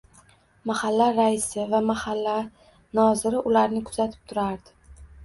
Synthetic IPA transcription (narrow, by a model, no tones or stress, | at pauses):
mahalːaɾaɪsɪvamahalːa | nɒzɪɾɪʔʊlaɾnɪkʰʊz̥at̪ʰɪ̥p̚t̪ʰʊɾaɾd̪ɪ